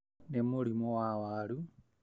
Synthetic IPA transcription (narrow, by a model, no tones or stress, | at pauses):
nemoɾimowawaɾu